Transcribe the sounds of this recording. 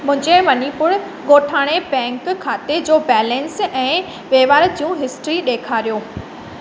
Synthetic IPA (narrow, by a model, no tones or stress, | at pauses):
mʊ̃ɦɪ̃ɲd͡ʑemɐnipʊɽ | ɠoːʈʰaːɽ̃ebɛ̃ːŋkkʰːaːt̪ed͡ʑoːbɛːlɛ̃nsɛ̃ː | ʋeːʋaːɾd͡ʑijũɦɪsʈɾiɗeːkʰaːɾijoː